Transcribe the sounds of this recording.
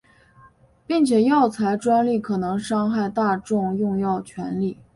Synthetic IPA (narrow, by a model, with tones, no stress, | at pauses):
pi˥˩ŋt͡ɕʰjɛ˨˩jɑ˥˩ʊt͡sʰa˧˥ɪʈ͡ʂwa˥nli˥˩kʰɤ˨˩nɤ˧˥ŋʂɑ˥ŋxa˥˧ɪt̪a˥˧ʈ͡ʂʊ˥˧ŋjʊ˥˧ŋjɑ˥˩ʊt͡ɕʰɥɛ˧˥nli˥˩